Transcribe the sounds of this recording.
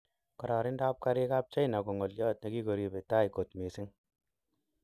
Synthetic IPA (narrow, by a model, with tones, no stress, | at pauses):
kɔ˨ɾɔ˨ɾɪ˦nda˦p̚ka˦ɾɪ˦ka˦p̚t͡ʃa˦jna˨ko˨ŋɔ˨ljɔ˦t̚na˨ki˦ko˨ɾi˧be˨ta˦jko˨tme˨sɪ˦ŋ